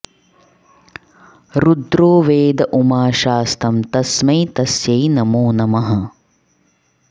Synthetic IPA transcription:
ɾud̪ɾoːʋeːd̪ɐʔumaːʃaːst̪ʰɐmt̪ɐsmɐjt̪ɐsjɐjnɐmuːnɐmɐɦɐ

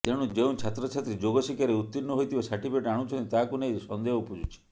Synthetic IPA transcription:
t̪eɽ̃ũd͡ʒeũt͡ʃʰat̪ɾɔt͡ʃʰat̪ɾid͡ʒoɡɔsikjaɾeut̪ːinːuɦojt̪ʰibasaʈipeʈaɽ̃ũt͡ʃʰɔnt̪it̪akunejsɔnd̪eɦɔupud͡ʒut͡ʃʰi̥

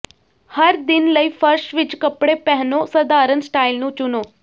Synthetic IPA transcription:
həɾd̪ɪnləiːpʰəɾʃʋɪt͡ʃkəpɽepɛɦnõːsəd̪aːɾənsʈaːilnũːt͡ʃʊnoː

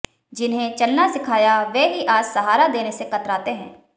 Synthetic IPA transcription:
d͡ʒɪnɦẽt͡ʃɐlnasɪkʰaːjaʋɛːɦiʔaːd͡ʒsɐɦaːɾad̪eːnesekɐt̪ɾaːt̪eɦɛ̰̃ː

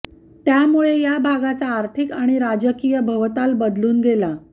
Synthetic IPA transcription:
t̪jamuɭejabʱaɡat͡saːɾt̪ʰikaɽ̃iɾad͡ʑəkijəbʱəʋt̪albəd̪luːnɡela

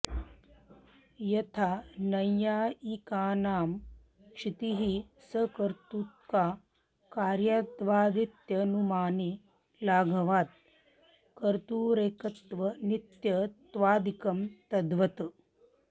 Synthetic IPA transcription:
jɐt̪ʰaːnɐjaːikaːnaːm | kʂit̪iɦisɐkɐɾt̪ut̪̚kaː | kaːɾjaːt̪ʋaːd̪it̪jɐnumaːni | laːɡʱɐʋaːt̪̚ | kɐɾt̪uːɾeːkɐt̪ʋɐnit̪jɐt̪ʋaːd̪ikɐmt̪ɐd̪ʋɐt̪

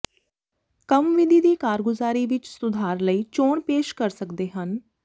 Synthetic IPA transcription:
kəmʋɪd̪ʱiːd̪iːkaːɾɡʊzaːɾiːʋɪt͡ʃsʊd̪ʱaːɾləiːt͡ʃoːɳpeːʃkəɾsəkd̪eːɦən

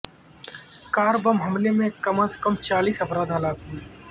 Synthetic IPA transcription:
kaːɾbɐmɦɐmlemẽkɐməskɐmt͡ʃaːliːsɐfɾaːd̪ʱɦɐlaːk̚ɦi

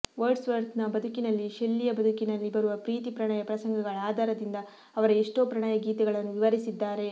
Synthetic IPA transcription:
ʋɐɾɖsʋɐɾt̪nɐbɐd̪ʱukinɐlːiʃelːijɐbɐd̪ʱukinɐlːibɐɾuʋɐpɾiːt̪ipɾɐɳaːjɐpɾɐsɐŋɡɐɡɐɭaːd̪ʱaːɾɐd̪ind̪ɐː | ʋɐɾɐiʂʈoːpɾɐɳaːjɐɡiːt̪ɐɡɐɭɐnːuʋiʋɐɾisid̪ːaːɾe̞

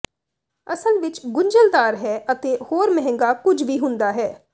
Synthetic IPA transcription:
əsəlʋɪt͡ʃɡʊɲd͡ʒəld̪aːɾɦɛːʔət̪eːhoːɾmɛɦɛ̃ŋɡaːkʊd͡ʒʋiːɦʊ̃nd̪aːɦɛː

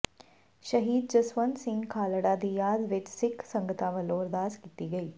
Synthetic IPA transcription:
ʃɐɦiːd̪̚d͡ʒɐswənsɪ̃ŋɡkʰaːləɽad̪ijaːd̪ʋɪt͡ʃsɪkʰsɐ̃ŋɡət̪aʋəloːɾd̪aːskiːt̪iɡɐiː

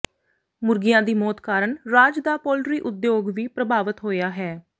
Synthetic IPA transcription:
mʊɾɡɪjãːd̪iːmɔːt̪kaːɾəɳɾaːd͡ʒd̪aːpɔːlɾiːʔʊd̪joːɡʋiːpɾəbaːʋət̪ɦoːjaːɦɛː

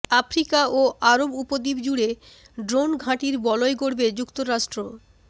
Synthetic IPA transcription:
afɾikaoʔaɾobupod̪ibd͡ʑuɽe | ɖɾonɡʱãʈiɾbɔloeɡoɽbed͡ʑukt̪oɾaʃʈɾo

